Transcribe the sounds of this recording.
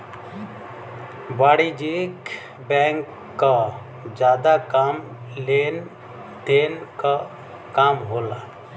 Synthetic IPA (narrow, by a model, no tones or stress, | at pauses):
baːɽid͡ʒik | bɛ̃ːŋkː | a | d͡ʒjaːd̪akaːm | len | d̪eːnka | kaːmɦoːlaː